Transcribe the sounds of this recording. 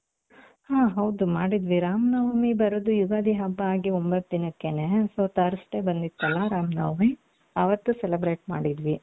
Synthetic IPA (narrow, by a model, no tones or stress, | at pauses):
hãːɦɐwd̪umaːɽid̪ʋiɾaːmnɐʋmibɐɾud̪ujuɡaːd̪iɦɐbːɐaːɡiombɐt̪̚d̪inɐkːenesoːt̪ɐɾsʈebɐnd̪it̪ːɐlːɐɾaːmnɐʋmi | ɐʋɐt̪ːuselibɾeːʈ̚maːɽid̪ʋi